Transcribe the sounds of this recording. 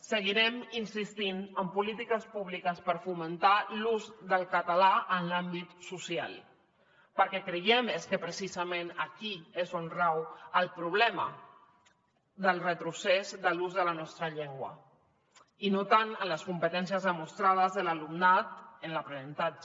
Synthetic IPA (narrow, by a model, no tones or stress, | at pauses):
səɣiɾɛminsist̪inəmpulit̪ikəspuβ̞likəspəɾfumənt̪aluzðəlˠkət̪alaʔənlambit̪susia̰lˠ | pəɾkɛkɾəjɛmeskəpɾəsizəmẽnəkiezonrawəlˠpɾuβlɛmə̰ | ðəlˠrət̪ɾusezðəluzðələnɔst̪ɾəʎeŋɡwə̰ | inot̪anələskumpət̪ɛns̬iəzðəmust̪ɾað̞əzðələlumnat̪ənləpɾənənt̪ad͡ʒ